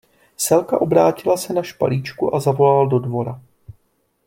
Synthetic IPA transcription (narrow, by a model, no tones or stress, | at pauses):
sɛlkaʔo̞bɾaːcɪlasɛnaʃpa̰liːt͡ʃkuʔazavo̞laldo̞dvo̞ɾa